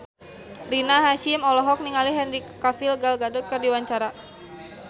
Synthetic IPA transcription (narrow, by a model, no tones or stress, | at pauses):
rinaɦaʃimɔlɔɦɔk̚niŋaliɦɛndikafilɡalɡadɔt̪̚kərdiwaɲt͡ʃaɾa